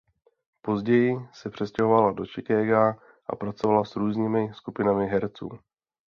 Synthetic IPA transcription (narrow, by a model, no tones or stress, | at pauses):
po̞zɟɛjɪsɛpr̝̥ɛscɛɦo̞valado̞t͡ʃɪkɛːɡaː | ʔa̰pɾat͡so̞valasɾuːzɲiːmɪskupɪnamɪɦɛɾt͡sṵː